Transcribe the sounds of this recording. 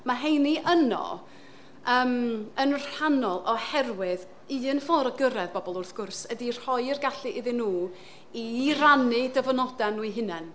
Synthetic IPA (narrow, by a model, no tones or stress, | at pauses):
maɦejniʔənɔ̰ | əːmənr̥hanɔlˠʔɔhɛrwɪð | ɨːnfɔɾɔɡəɾɛðbɔbɔlˠʊrθɡ̥ʊrsədir̥hɔjɪrɡaɬɨʔɪðɨnːuː | iranɨdəvnɔdanːuɨɦɨnɛn